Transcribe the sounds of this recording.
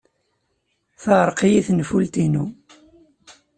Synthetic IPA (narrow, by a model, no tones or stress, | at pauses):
θəʁɾˤqijiθnfult̪inu